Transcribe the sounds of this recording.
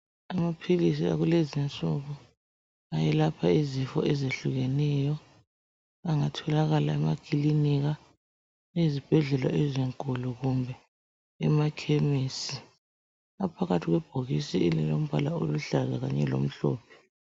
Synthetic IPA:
amapʰilis̬ia̰ɣulezint͡sʼuɣu | ajɛlapʰaizifɔ̰ʔɛzeɬuɣɛnɛːjɔ | aŋatʰɔlaɣalaɛmakʼiliniɣa | ezib̥ʱɛɮɛla̰ʔɛziŋkʼuluɣumbʱɛː | makʰemiːsi | apʰaɣatʰiɣwɛb̥ʱoɣisiɛlilom̩bʱalao̰luɬazaɣaɲɛlo̰m̩ɬɔ̰ːpʰɛ̥

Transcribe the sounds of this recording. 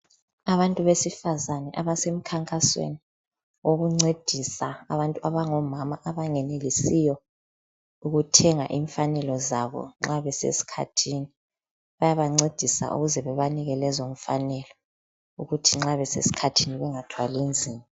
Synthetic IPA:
aβantʼuβesifazanɛʔaβasem̩kʰaŋkʼaswḛni | oɣuŋ͡ǀed̥ʱisaa̰βantʼuʔaβaŋɔmamaʔaβaŋɛnelisijɔ | uɣutʰɛŋa̰ʔiːɱfanɛlɔzaβɔ̰ŋ͡ǁaβɛsḛsi̥kʰa̰tʰini | βajaβaŋ͡ǀed̥ʱisa̰ʔṵɣuzɛβɛβaniɣɛlɛzoɱ̩fanɛlɔ | uɣutʰiŋ͡ǁaβɛsḛsi̥kʰatʰiniβɛŋatʰwalind͡zʱiːma

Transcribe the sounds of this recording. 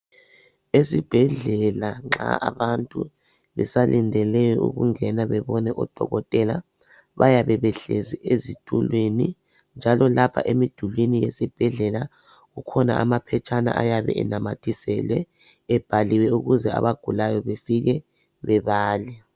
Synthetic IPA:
esib̥ʱɛɮɛlaŋ͡ǁa̰ʔaβantʼṵ | βɛ̰salʔindʱɛlɛjɔʔṵɣuŋɛnaβɛβɔnɛʔɔd̥ʱɔ̰ɣɔtʼɛla̰ | βajaβɛβɛɬeziʔezitʰʼulweni | nd͡ʒʱalɔlapʰa̰ʔemid̥ʱulwinijesib̥ʱɛɮɛla | ɣukʰɔna̰ʔamapʰɛt͡ʃʼana̰ʔa̰jaβɛ̰ʔɛ̰namatʰʼisɛlwɛː | b̥ʱaliwɛuɣuzɛa̰βaɡ̥ʱulajɔβefiɣɛ | βɛβaːlɛ

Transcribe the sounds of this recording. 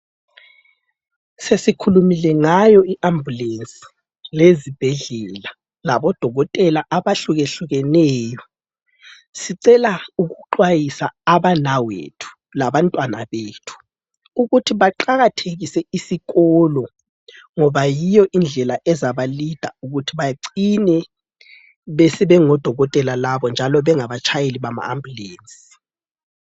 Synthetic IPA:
sesikʰulumilɛŋajɔiʔambʱulent͡sʼi̥ | lezib̥ʱɛɮɛla | laβɔd̥ʱɔɣɔtʼɛlaʔaβaɬuɣeɬuɣɛnɛːjɔ | siǀɛlauɣuǃwajisaaβanawḛtʰu̥ | laβantʼwana̰βeːtʰu̥ | uɣutʰiβaǃaɣatʰeɣisɛisiɣɔlɔ | ŋɔβajijɔʔind͡ɮʱɛlaʔɛzaβalid̥ʱauɣutʰiβajǀinɛ | βesiβɛŋɔd̥ʱɔɣɔtʼɛlalaβɔnd͡ʒʱalɔβɛŋaβat͡ʃʰajeliβama̰ambʱuleːnsʼi̥

